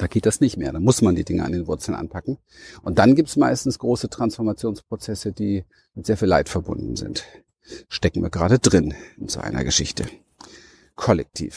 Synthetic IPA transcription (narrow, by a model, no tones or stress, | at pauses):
d̥aːɡ̥eːt̚d̥asnɪçtmeːɐdaːmʊsmandiːdɪŋə̰ʔa̰ndeːnvʊɐt͡sl̩nʔa̰npʰakŋ̩ | ʔʊnt̚d̥anɡiːp̚tsmaɪstn̩sɡ̥ʁoːsətʁ̥ansfɔɐmat͡sjoːnspʁ̥ot͡sɛsəd̥iː | mɪtz̥eːɐfiːla̰ɪtfɛɐbʊ̰ndn̩zɪ̰nt | ʃtɛkŋ̩vḭːɐɡʁaːdədʁɪnɪnz̥o̰ʔa̰ɪnɐ̰ɡəʃɪçtə̰ | kʰɔlɛk̚tʰḭːf